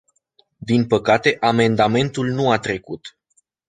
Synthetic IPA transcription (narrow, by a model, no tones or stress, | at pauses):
d̪inpəkat̪e̞ʔame̞nd̪ame̞nt̪ulnuat̪ɾe̞kut̪